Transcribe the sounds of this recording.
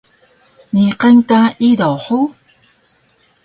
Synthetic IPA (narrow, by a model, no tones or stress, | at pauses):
niqankaidawħu